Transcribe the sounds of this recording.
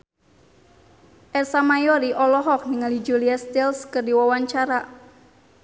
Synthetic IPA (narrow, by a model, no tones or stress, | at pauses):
ʔɛsamajoɾiʔɔlɔɦɔk̚niŋalid͡ʒuliast̪ilskərdiwawaɲt͡ʃaɾa